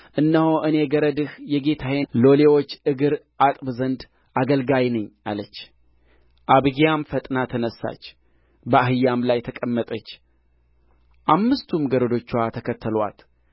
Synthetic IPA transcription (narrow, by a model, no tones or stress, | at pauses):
ʔɨnːəhoʔɨne̞ɡəɾəd̪ɨhjɛɡe̞t̪ʰahelo̞lewo̞t͡ʃːɨɡɨɾ | at̪ʼbzənd̪ | ʔaɡəlɡajnəɲːa̰lət͡ʃː | ʔaβɡijamfət̪ʼnat̪ʰɨnəsːa̰t͡ʃː | bəahɨjːamlajt̪ʰəkʼəmːət̪ʼət͡ʃː | ʔamːɨst̪ʰumɡəɾəd̪o̞t͡ʃːuwat̪ʰəkʰət̪ːəlwa̰t̪